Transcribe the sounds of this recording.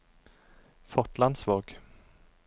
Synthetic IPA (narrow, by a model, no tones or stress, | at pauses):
fɔʈ̪land̪svɑːɡ̥